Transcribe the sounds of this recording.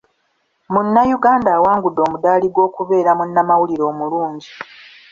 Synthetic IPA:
munːajuɡaːndaːwaːŋɡudo̞ːmudaːliɡwo̞ːkuβe̞ːɾamunːamawuliɾo̞ːmuluːɲɟi

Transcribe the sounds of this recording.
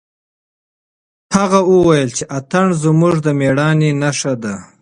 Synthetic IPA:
haɣauwajəlt͡ʃeʔat̪aɳzmuʐd̪əmeɽɑːninaʂad̪a

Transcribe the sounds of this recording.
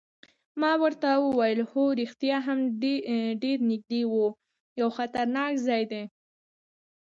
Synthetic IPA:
mɑwəɾt̪awəwajəlhoɾixt̪jɑɦamɖɖeɾnɪɡ̚d̪ewu | jawxat̪aɾnɑkzɑjd̪e

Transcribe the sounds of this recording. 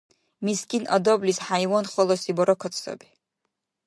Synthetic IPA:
miskʼinʔɔ̰d̪ɔblisħaiwɔnχɔlˠɔsibɔɾɔkʰɔt̪ʰsɔ̰bi̥

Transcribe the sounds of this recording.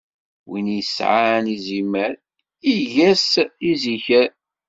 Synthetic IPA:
winjəsʕaniziməɾ | iʝæsiziçəɾ

